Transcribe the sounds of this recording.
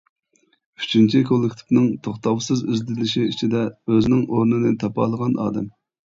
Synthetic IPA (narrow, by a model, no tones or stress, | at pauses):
yt͡ʃʰynt͡ʃʰikʰolˠːɪkʲt̪ʰɪ̥pnɨŋt̪ʰoχt̪ɑwsɨzyzd̪ɪlɪʃiit͡ʃʰid̪ɛøznɪŋʔoɾnɨnɨt̪ʰɑpɑ̰ːlˠəʁɑnɑ̰ːd̪ɛm